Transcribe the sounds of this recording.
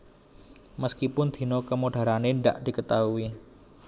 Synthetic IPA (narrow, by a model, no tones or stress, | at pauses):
məskipʊnd̪̥i̤nokəmoɖ̥a̤ɾaneɳɖa̰ʔd̪̥i̤kət̪aui